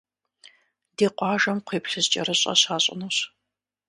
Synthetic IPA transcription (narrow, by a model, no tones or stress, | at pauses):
deːqʷɑːʒɐmqʷeːpɬɨzt͡ʃʼɐ̰ɾɨɕʼɐ̰ɕaːɕʼɪ̰nuɕ